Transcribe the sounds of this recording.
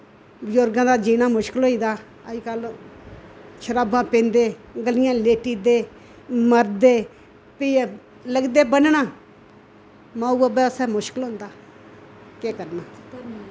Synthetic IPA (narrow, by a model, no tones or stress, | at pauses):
bd͡ʒoɾɡãːd̪aːd͡ʒiːnaːmʊʃkɪlɦoːiːd̪aː | əd͡ʒkəl | t͡ʃʰəɾaːbãːpẽːnd̪eːɡəlɪjãːleːʈiːd̪eː | məɾd̪eː | piː | ləɡd̪eːbənnaː | mãːuəbɛːsɛːmʊʃkɪlɦõːnd̪aː | keːkəɾnaː